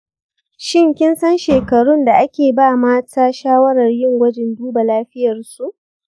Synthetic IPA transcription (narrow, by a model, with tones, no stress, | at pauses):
ʃɪ˦ŋkʲɪ˦nsɐ˦nʃeː˨kɐ˨ɽʊ˦nda˨ʔa˦kʲeː˨baː˦˨maː˦tʰaː˦ʃaː˦wɐ˦ɽɐ˨rjɪ˦ŋwɐ˦d͡ʒɛ˨nduː˦ba˨laː˦ɸɪ˦jɐ˨rsu˨ʔ